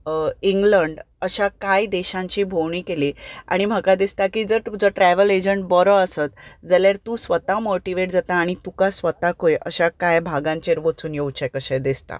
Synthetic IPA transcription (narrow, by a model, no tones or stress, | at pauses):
iŋɡləɳɖ | əɕakajd̪eɕãɲt͡ɕiːbʱowɳiːkelia̰ɽ̃im̤əkad̪ist̪akiːd͡zəɾd͡zəʈɾɛʋəled͡ʑəɳʈ̚bəɾəəsət̪d͡zəljaɾt̪ũːsʋət̪amoʈiʋeʈd͡zat̪aːɽ̃it̪ukasʋət̪akojʔəɕakajbʱaɡãɲt͡ɕeɾʋət͡suːnjowt͡ɕɛkəɕɛ̃d̪ist̪a̰